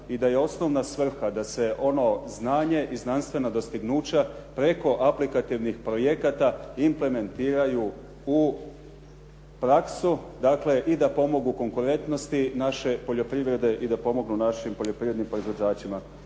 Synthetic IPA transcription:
id̪aje̞o̞sno̞ʋnasʋr̩xad̪ase̞ʔo̞no̞znaːɲe̞ʔiznanst̪ʋe̞nad̪o̞st̪iɡnuːt͡ɕapɾe̞ko̞ʔaplikat̪iʋnixpɾo̞je̞kat̪aimple̞me̞nt̪iːɾaju | u | pɾaksud̪akle̞ʔid̪apo̞mo̞ɡuko̞ŋkuɾe̞nt̪no̞st̪inaʃe̞po̞ʎo̞pɾiʋɾe̞d̪e̞ʔid̪apo̞mo̞ɡnunaʃimpo̞ʎo̞pɾiʋɾed̪nimpɾo̞izʋo̞d͡ʑaːt͡ɕima

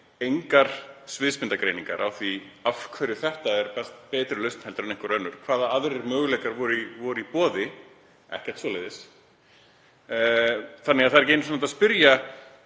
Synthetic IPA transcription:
ejŋkaɾ̥svɪðspɪnt̪akɾejniŋka̰ɾʔa̰wθvi | afkʰvœɾjʏθɛht̪aɛɾpɛst̪̚pɛːt̪ɾɪlœɥst̪n̥hɛlt̪ʏɾɛnẽjŋkʏɾœnːʏɾ̥kʰvaːðaaðɾɪɾmœːɣlɛkaɾvɔɾivɔɾʏipɔːðɪ | ɛ̰hcɛ̥ɾ̥t̪svɔːleðɪs | θanːɪɣaðθaðɾɛcejns̬nat̪aðspɪɾja

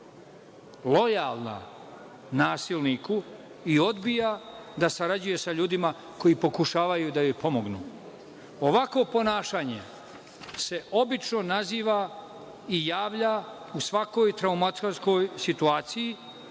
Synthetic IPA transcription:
lo̞jalˠna̰ | naːsilniku | io̞d̪bijad̪asaɾad͡ʑuje̞saʎuːd̪ima | ko̞ipo̞kuʃaːʋajud̪ajojpo̞mo̞ɡnṵː | o̞ʋakʋo̞po̞naːʃaːɲe | se̞ʔo̞bit͡ʃno̞naziːʋa | ijaːʋʎa | usʋako̞ːjt̪ɾaumat̪koɾsko̞jsit̪uaːt̪siji

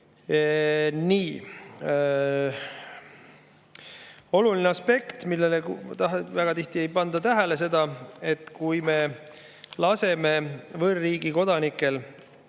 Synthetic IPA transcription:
niː | o̞lulineɑspe̞kt̪milːe̞let̪ɑɦvæɡ̥ɑt̪iht̪ie̞jpɑnd̪̥ɑt̪æɦæles̬e̞d̪̥ɑe̞t̪kujme | lɑse̞me̞vɤrːiːɡ̥iko̞d̪̥ɑnikːˑe̞l

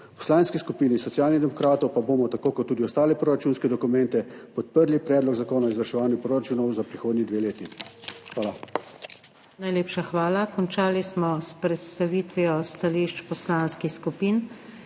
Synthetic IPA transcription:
pɔ̥slanskiskupiːnisɔt̪sjaːlniɣd̪ɛmɔkɾaːt̪ɔwpaboːmɔt̪akoːkɔt̪ːuːd̪iɔst̪aːlɛpɾoɾat͡ʃuːnskɛd̪ɔkumɛ̃nt̪ɛpɔt̪̚pəɾlipɾɛːd̪lɔɡzakoːnaɔizʋəɾʃɛʋaːnjupɾoɾat͡ʃuːnɔwzapɾixoːd̪nid̪ʋeːleːt̪ixʋaːla | najleːpʃaxʋaːlakɔnt͡ʃaːlismɔspɾɛt̪st̪aʋit̪ʋiɔst̪aliʃt͡ʃpɔslaːnskixskupiːn

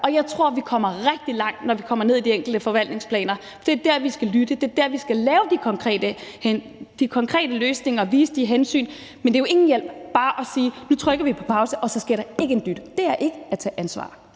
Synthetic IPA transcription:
ɒ̽jɑ̈ɪt͡sʰʁo̝ɐ̰ʋikʰɒ̽m̰ɐʁɛɡ̥̚d̥ilɑ̈ŋ̰d̥nɒʋikʰɒ̽m̰ɐne̝ð̞̰ˠid̥ieŋ̰ɡ̥l̩d̥əfɒ̽ʋæl̰d̥ne̝ŋspʰlɛ̰ːnɐ | d̥e̝ɐd̥æɐ̰ʋisɡ̥ælyd̥əd̥e̝ɐd̥æɐʋisɡ̥ælɛːʊəd̥ikʰɒ̽ŋkʰʁɛ̰ːd̥əh | d̥ikʰɒ̽ŋkʰʁɛ̰ːd̥əløːsne̝ŋɐɒʋiːsəd̥iɦensy̰ːn | mend̥e̝jo̝e̝ŋn̩jel̰b̥̚b̥ɑ̈ːʔɒ̽siːnut͡sʰʁœɡ̥ɐʋipʰɒ̥̽pʰɑ̈ʊsəʔɒ̽sɒ̽sɡ̥iɐ̰ɾ̥ɑ̈e̝ɡ̥əend̥yd̥d̥e̝æɐʔe̝ɡ̥əæt͡sʰɛ̰ːʔænsʋɑ̰̈ː

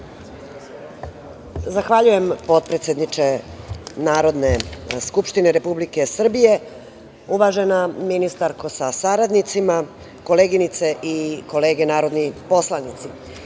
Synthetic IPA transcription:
zaxʋaʎuje̞mpo̞t̪̚pɾet̪sjed̪nit͡ʃenaːɾo̞d̪ne̞skupʃt̪ineɾe̞publike̞sr̩bije̞ | uʋaʒe̞naminist̪aɾko̞sasaɾad̪nit̪sima | ko̞leɡinit̪seʔiko̞le̞ːɡe̞naːɾo̞d̪nipo̞slanit̪si

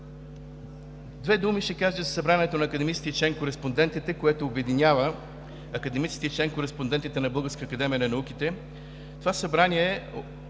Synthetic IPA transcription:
d̪vɛd̪umiʃɛkaʒɛzɐsɐbɾanɛt̪onɐːkɐd̪ɛmitsit̪it͡ʃɛŋkoɾɛspond̪ɛnt̪it̪ɛkoɛt̪oːbɛd̪inʲavə | ɐkɐd̪ɛmit̪si̥t̪it͡ʃɛŋkoɾɛspond̪ɛnt̪it̪ɛnɐbɤlˠɡəɾskəːkɐd̪ɛmʲijənɐnɐuk̟it̪ɛ | t̪ovasɐbɾanʲiɛ

